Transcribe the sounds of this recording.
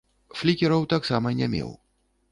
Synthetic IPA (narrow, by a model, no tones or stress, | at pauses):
flʲikʲɛɾɐwt̪aksamɐnʲɛmʲɛ̰w